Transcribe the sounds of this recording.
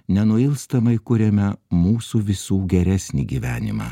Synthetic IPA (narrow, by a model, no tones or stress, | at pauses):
nʲɛnʊɪlˠst̪ɐmɐɪkʊɾʲɛmʲɛmuːsuːʋʲɪsuːɡʲɛɾʲæːsʲnʲḭːɡʲiːʋʲæːnʲɪ̰mɑ̰ː